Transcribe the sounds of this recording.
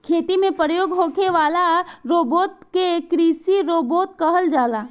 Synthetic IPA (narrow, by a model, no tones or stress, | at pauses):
kʰeːt̪imẽpɾjoːɡɦoːkʰeʋaːlaɾoːboːt̪̚kekɾiːsiɾoːboːt̪̚kəɦəld͡ʒaːlaː